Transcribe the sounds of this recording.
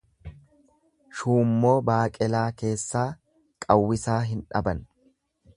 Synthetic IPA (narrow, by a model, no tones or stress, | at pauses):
ʃuːmːo̞ːbaːkʼɛlaːke̞ːsːaː | kʼɐwːɪsaːɦɪnᶑɐ̰bɐn